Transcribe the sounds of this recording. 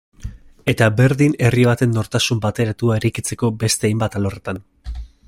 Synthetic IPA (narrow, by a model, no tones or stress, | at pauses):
e̞t̪abe̞ɾðine̞riβat̪e̞nːo̞ɾt̪asumbat̪e̞ɾat̪uaeɾikit͡se̞ko̞be̞st̪e̞ajmbat̪alo̞re̞t̪an